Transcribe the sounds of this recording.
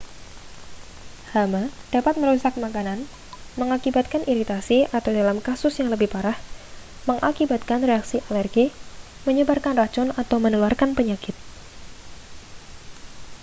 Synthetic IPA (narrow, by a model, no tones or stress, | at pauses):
hamad̥apat̪̚məɾusak̚makanan | məŋakibat̪̚kanʔiɾit̪asiʔat̪awdalamkasʊsjaŋləbɪhpaɾah | məŋʔakibat̪̚kanreaksiʔalɛrɡi | məɲəbarkanrat͡ʃʊnat̪awmənuluarkanpəɲakɪt̪̚